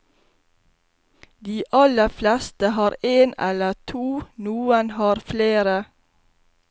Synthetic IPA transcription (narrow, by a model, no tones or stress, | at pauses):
d̪iːʔɑləflɛst̪əhɑːɾeːnɛ̰lətʰuːnuːənhɑːɾfleːɾə